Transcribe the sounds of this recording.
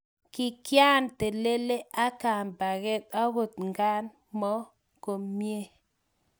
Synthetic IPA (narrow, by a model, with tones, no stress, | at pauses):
kɪ˦kja˦nt̪e˨le˦le˦ʔa˦ka˨nba˨ɣe˦t̪a˦ɡo˨t̪ŋɡa˦n | mɔ˦ | ko˨mːje˦